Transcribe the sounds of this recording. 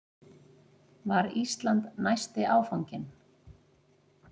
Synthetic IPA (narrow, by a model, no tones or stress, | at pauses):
vaɾist̪lant̪najst̪ɪʔaːwfawɲcɪn